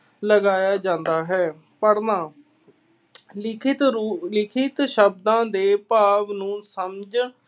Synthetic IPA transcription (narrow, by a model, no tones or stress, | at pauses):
ləɡaːjaːd͡ʒãːnd̪aːɦɛː | pəɽnãː | ɪkʰɪt̪ːlɪkʰɪt̪ʃəb̚d̪ãːd̪eːpaːʋnũːsəmd͡ʒ